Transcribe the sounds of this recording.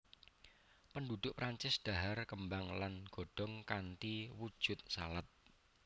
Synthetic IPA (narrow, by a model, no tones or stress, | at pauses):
pəndud̪̥ʊʔpɾaɲt͡ʃɪsd̪̥a̤ɦarkəmbaŋlanɡ̥o̤ɖ̥ɔ̤ŋkant̪iwud̥ʒ̥ʊt̪̚salat̪̚